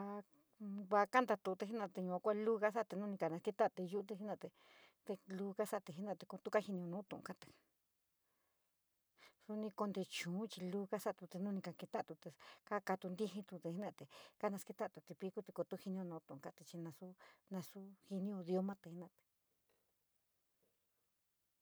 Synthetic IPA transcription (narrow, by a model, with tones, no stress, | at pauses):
a˧ | βa˧ka˦nd̪a˧t̪u˧t̪e˧i˦nã˧t̪e˧ɲũ˧ã˧kʷa˦˧lu˦ɣa˦s̬a˦˧t̪e˧nũ˦˧nĩ˧ka˧nã˧ki˧t̪a˦˧t̪e˧ju˦t̪e˧i˦nã˧˨t̪e˧ | t̪e˧lu˧ɣa˦sa˦˧t̪e˧˨ɦi˧˦nã˦˧˨t̪e˧ko˧t̪u˦ka˦hi˧nĩ˧o˧nũː˨˦t̪ṵ̃˧ʔṵ̃˧ka˦t̪e̥˨ | su˧nĩ˧ko˧nd̪e˧t͡ʃũː˨˦t͡ʃi˧lu˦ɣa˦sa˦ʔt̪u˧t̪e˧nũ˦˧nĩ˧ka˧ke˧t̪a˦˨t̪u˧t̪e˧ka˦ka˧t̪u˧nd̪i˦ɦĩ˧t̪u˧t̪e˧˨i˦nã˧˨t̪e˧ka˦nã˧ski˧t̪a˦˨t̪u˧t̪e˧pi˧˦ku˦t̪e˧ko˧t̪u˦hi˧nĩ˧õ˧nũː˧˦t̪ũ˧˨ũ˨˧ka˧t̪e˧t͡ʃi˧nã˧su˦nã˧su˦hi˧nĩ˦õ˧ðjo˧mã˦t̪e˧˨hi˧˦nã˧t̪e̥˨